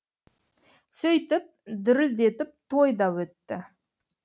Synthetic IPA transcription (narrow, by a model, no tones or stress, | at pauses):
sɵjt̪ɪp̚d̪ʏɾɪld̪e̞t̪ɪp̚t̪ʰo̞jd̪ɑwɵt̪ːɪ